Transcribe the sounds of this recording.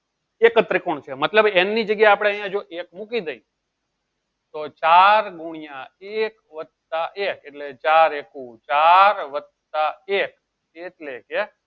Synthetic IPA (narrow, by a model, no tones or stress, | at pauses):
ekt̪ɾɪkoɳt͡ʃʰemət̪ləbɛnːid͡ʒəɡjaeapɽ̃eəɦijãd͡ʒoʔekmukid̪əi | t̪ot͡ʃaɾɡuɽ̃ijãek | ʋət̪aʔekeʈlet͡ʃaɾekũt͡ʃaɾʋə | t̪aek | eʈleke